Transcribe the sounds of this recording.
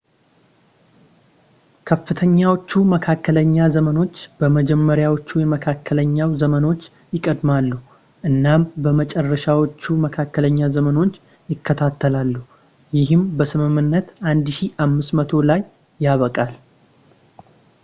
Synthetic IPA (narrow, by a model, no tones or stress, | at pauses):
kʰəfːɨt̪ʰəɲːawot͡ʃːuməkʰakːələɲːazəməno̞t͡ʃːb̥əməd͡ʒɛmːəɾjawot͡ʃːujɛməkʰakʰːələɲːawzəməno̞t͡ʃː | jɪkʼəd̪malːu | ʔɨnːambəmət͡ʃʼɛrːəʃawot͡ʃːuməkʰakːələɲːazəməno̞t͡ʃː | jɪkʰːət̪ʰat̪ːəlalːu | jɪɦɨmbəsɨmɨmːɨnːət̪ʔand̪ʃiʔamːɨsmət̪ʰo̞lajː | aβəkʼal